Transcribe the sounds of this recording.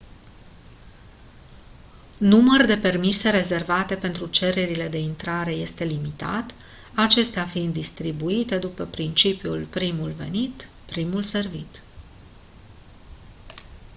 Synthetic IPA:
numərd̪e̞pe̞rmise̞ɾe̞ze̞rvat̪e̞pe̞nt̪ɾut͡ʃe̞ɾe̞ɾile̞d̪e̞int̪ɾaɾe̞je̞st̪e̞limit̪a̰t̪ | at͡ʃe̞st̪eafind̪̚d̪ist̪ɾibuit̪e̞d̪upəpɾint͡ʃipijulpɾimulve̞̰nit̪ | pɾimulse̞rvit̪

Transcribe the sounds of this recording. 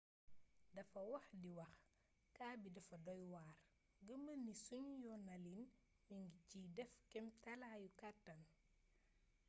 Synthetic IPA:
dɐfɐwɐxdiwɐx | kaːbidɐfɐdɔjwaːr | ɡəmənisuɲjɔnɐlin | miŋɡiciːdɛfkɛmtɐlajukatːɐn

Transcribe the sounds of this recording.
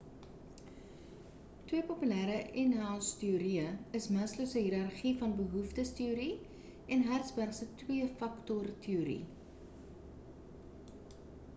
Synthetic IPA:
twiəpopylæːɾəʔɛnɦælˠstiuɾiəəsmɐsləsəɦiɾɐrχifɐnbəɦuftəstiuɾi | ɛnɦærtsbærsətwiəfɐktɔrtʰiuɾḭ

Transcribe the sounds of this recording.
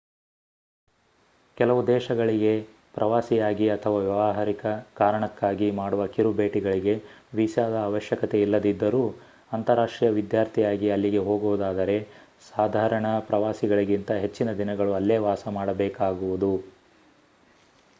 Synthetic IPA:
kɛlɐʋud̪ɛːʃɐɡɐɭiɡe̞ | pɾʔɐʋaːsijaːɡiɐt̪ʰɐʋaːʋjɛʋaɦɐɾikɐkaːɾɐɳɐkːaːɡimaːɽuʋɐkiɾubeːʈiɡɐɭiɡe̞ʋisjaːd̪ɐaːʋɐʃjɐkɐt̪e̞ilːɐd̪id̪ːɐɾuː | ɐnt̪ɐɾaːʂʈɾijɐʋid̪jaːɾt̪ʰijaːɡiɐlːiɡe̞ɦo̞ːɡuʋud̪aːd̪ɐɾe̞ | saːd̪ʱaːɾɐɳɐpɾɐʋaːsiɡɐɭiɡint̪ɐɦe̞t͡ʃːinɐd̪inɐɡɐɭuɐlːeːʋaːsɐmaːɽɐbɛːkaːɡuʋud̪u

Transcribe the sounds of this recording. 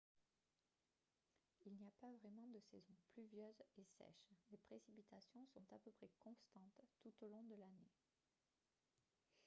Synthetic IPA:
ilniapavʁɛmɑ̃d̪əsɛzɔ̃plyvjœzesɛ̰ʃlepχesipit̪asjɔ̃sɔ̃t̪apøpχɛkɔ̃st̪ɑ̃t̪t̪ut̪olɔ̃d̪əlane

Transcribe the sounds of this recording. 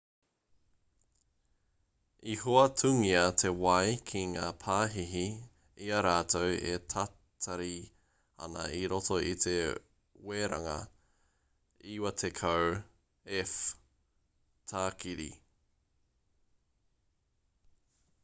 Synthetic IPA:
ihoɐtʰʉŋiɐt̪ʰe̞wɐjkʰiŋaːpʰaːɦiɦi | iɐɾaːtʰowḛtʰa | tʰaɾi | ɐ̰nɐ̰iɾotʰo̞ʔit̪ʰe | weːɾa̰ŋɐ̰ | iwɐtʰekʰaw | ɛf | tʰaːkiɾḭ

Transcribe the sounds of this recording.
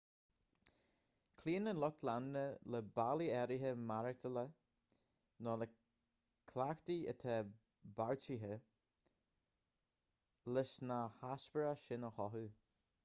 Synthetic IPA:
kʰliːənəlɔk̚t̪ʰlanːələbaliɛɾiɦəmaɾət̪ʰələ | nɔlə | kʰlaxt̪iə̰t̪ʰɛ | baɹt͡ʃiɦə | lɪsnahaspəɾaʃɪnəxɔɦu

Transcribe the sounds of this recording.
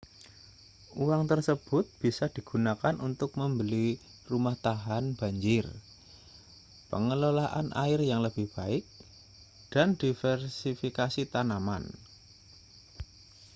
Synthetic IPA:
uwaŋt̪ərsəb̥ʊt̪̚b̥isad̥i̤ɡ̥unakanʔunt̪ʊk̚məmbəli | rumaht̪aɦanb̥a̤ɲd͡ʒɪr | pə̰ŋəlolaʔa̰nʔa̰ɪrjaŋləb̥ɪhb̥aɪk̚ | d̥and̥ifɛrsifikasit̪anama̰n

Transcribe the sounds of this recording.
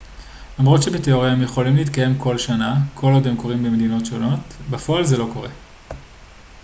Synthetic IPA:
lamʁo̞tʃe̞bet̪eo̞ʁejaemjeχo̞limleit̪kaje̞mko̞lʃanakʰo̞lodemko̞ʁimbemed̪ino̞tʃo̞no̞tbafo̞ʔalzelo̞ko̞ʁe̞

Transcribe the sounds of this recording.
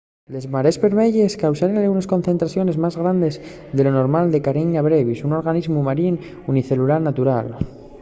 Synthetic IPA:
le̞zmaɾe̞szβe̞ɾmeʎeskawsaɾenalɣunasko̞nθe̞nt̪ɾaθjo̞ne̞zmazɣɾand̪e̞z | ðe̞lo̞no̞ɾmald̪e̞kaɾeɲaβɾeβisuno̞ɾɣanizmumaɾin | uniθe̞lulaɾnat̪uɾal

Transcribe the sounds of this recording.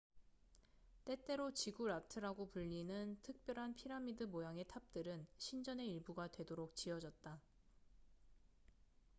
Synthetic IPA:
t͈e̞t͈e̞ɾot͡ɕiɡuɾatʰɯɾaɡopuʎːinɯntʰɯk̚p͈jʌɾɦanpʰiɾamidɯmojaŋe̞tʰap̚t͈ɯɾɯnɕʰind͡ʑʌne̞iɭbuɡadwe̞doɾok̚t͡ɕiʌd͡ʑʌt̚t͈a

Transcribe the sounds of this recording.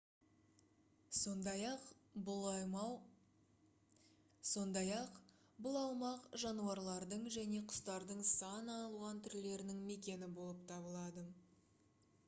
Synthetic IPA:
so̞nd̪ɑjɑqbʊlˠɑjmɑw | so̞nd̪ɑjɑq | bʊlˠɑwmɑqʒɑnuɑɾlˠɑɾd̪əɴʒæne̞qʰʊ̥st̪ɑɾd̪əɴsɑnɑlˠuʁɑnt̪ʰʏɾle̞ɾɪnɪŋme̞kʲe̞nɪbo̞lˠəp̚t̪ʰɑbəlˠɑd̪ə

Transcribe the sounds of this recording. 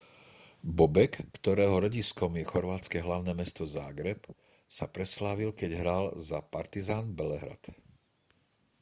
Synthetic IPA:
bɔbɛkːt̪ɔɾɛːɦɔɾɔɟiskɔmjɛxɔɾʋaːt͡skɛɦlaʊnɛːmɛst̪ɔzaːɡɾɛp | sa̰pɾɛslaːʋilkɛɟɦɾalzapaɾt̪izaːnbɛlɛɦɾa̰t̪

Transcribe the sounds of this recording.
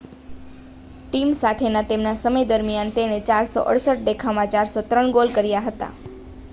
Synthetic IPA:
ʈimsat̪ʰenat̪emnasəməjd̪əɾmjant̪eɽ̃et͡ʃaɾso̰ʔə̰ɽsəʈ̚d̪ekʰamãt͡ʃaɾsot̪ɾəɳɡolkəɾjaɦət̪a̰

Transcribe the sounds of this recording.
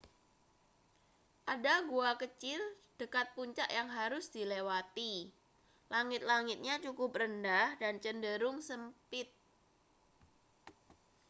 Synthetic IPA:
ʔadaɡuakət͡ʃɪl | d̥əkat̪̚puɲt͡ʃaʔjaŋɦaɾʊsd̥ilewat̪i | laŋɪt̪̚laŋɪt̪̚ɲat͡ʃukʊp̚rəndahdant͡ʃəndəɾʊŋsəmpɪt̪̚

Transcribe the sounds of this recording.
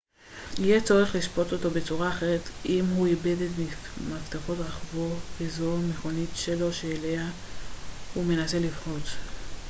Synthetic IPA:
ijet͡so̞ʁeχliʃpo̞to̞to̞be̞t͡suʁaːχe̞ʁetimɦuibe̞detmimaft̪afo̞tʁaχvo̞vezo̞me̞χo̞nitʃelo̞ʃeːle̞a | hume̞nase̞livχo̞t͡s

